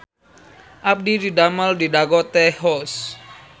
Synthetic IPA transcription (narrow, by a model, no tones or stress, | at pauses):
ʔap̚dididaməldidaɡɔt̪ɛhɔs